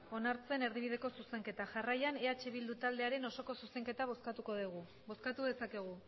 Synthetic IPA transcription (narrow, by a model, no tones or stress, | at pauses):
o̞naɾt͡se̞ne̞ɾðiβið̞e̞ko̞suse̞ŋke̞t̪aʝarajane̞at͡ʃe̞β̞ild̪ut̪ald̪e̞aɾe̞no̞so̞ko̞suse̞ŋke̞t̪aβoskat̪uko̞ðiɣu | bo̞skat̪uð̞e̞sake̞ɣ̞u